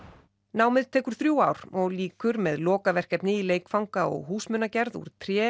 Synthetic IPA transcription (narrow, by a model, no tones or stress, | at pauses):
naːwmɪðt̪ʰɛːkʏɾ̥θɾjuːaːwɾ̥ɔɣliːkʏɾmɛðlɔːkavɛr̥kɛpnɪileːjkfawŋkaɔ̰ɣɦuːsmʏnːacɛɾðṵɾ̥t̪ʰɾjɛː